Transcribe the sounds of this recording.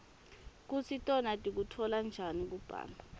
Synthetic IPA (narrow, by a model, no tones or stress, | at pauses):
k̬usitʼɔnatʼik̬utʰɔland͡ʒʱanik̬ub̥ʱa̰ːlbʱa